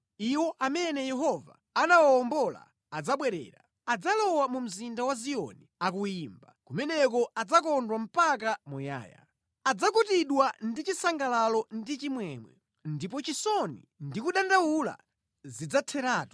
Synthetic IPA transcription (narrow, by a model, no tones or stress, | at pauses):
iwɔʔamɛnɛjɛɦɔva | anawaɔmbɔla̰ | ad͡zaɓwɛɾɛ̰ːɾa | ad͡zalɔwamum̩zindawaziɔ̰niakujiːmbakumɛnɛk̬ɔad͡zakɔndwam̩pak̬amuja̰ːja̰ | ad͡zakutiɗwandit͡ʃisaŋɡalalɔndit͡ʃimwɛmwɛ̰ | ndipɔt͡ʃisɔnḭ | ndikuɗandawula̰ | zid͡zatʰɛɾaːtw